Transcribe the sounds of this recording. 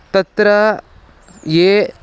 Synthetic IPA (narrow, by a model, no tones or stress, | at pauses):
t̪ɐt̪ɾɐ | jeː